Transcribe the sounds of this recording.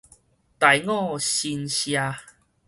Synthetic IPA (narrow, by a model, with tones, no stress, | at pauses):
t̪a˨˩jŋɔ̃˥˧˨ɕi˧nɕja˧